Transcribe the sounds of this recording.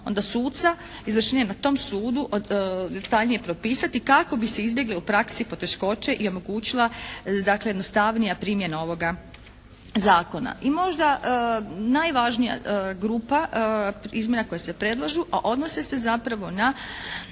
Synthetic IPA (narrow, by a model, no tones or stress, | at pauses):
o̞̰nd̪asuːt̪t̪sa | izʋr̩ʃnjenat̪o̞msuːd̪uʔd̪et̪aʎnije̞pɾo̞piːsat̪ikako̞bise̞izbje̞ɡleupɾaksipo̞t̪e̞ʃko̞t͡ʃe̞ʔio̞mo̞ɡuːt͡ɕilˠad̪aklejed̪no̞st̪aʋnijapɾimje̞nao̞ʋo̞ɡa | zaːko̞na̰ʔimo̞ʒd̪a | najʋaʒnija̰ɡɾuːpa | izmjenako̞jase̞pɾe̞d̪lˠaʒuʔaʔo̞d̪nosese̞zapɾaʋo̞na